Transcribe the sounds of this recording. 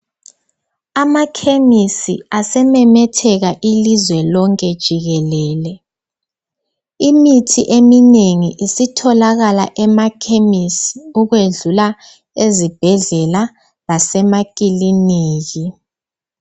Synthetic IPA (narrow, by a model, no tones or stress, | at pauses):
amakʰemisḭasɛmɛmɛtʰɛɣaʔilizwɛlɔŋkʼɛd̥ʒ̥ʱiɣɛlɛːlɛ | imitʰiʔemineŋiʔisitʰɔlaɣala̰ʔɛmakʰemisi̥uɣweɮula | ezib̥ʱɛɮɛla | lasɛmakʼiliniːɣi